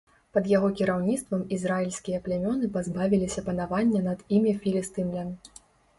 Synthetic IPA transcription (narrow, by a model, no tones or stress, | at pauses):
pɐd̪jaɣɔkʲiɾawnʲit̪st̪vɐmizrailʲsʲkʲijɐplʲɛmʲɔnɨpazbavʲilʲisʲɐpɐnavanʲːɛnɐd̪imʲɛfʲilʲist̪ɨnlʲɐmʲ